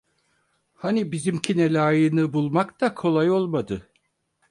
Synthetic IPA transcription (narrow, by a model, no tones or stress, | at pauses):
hanibizimcʰinelʲaːjɯnɯbulˠmakt̪akʰo̞lˠajo̞lˠmad̪ɯ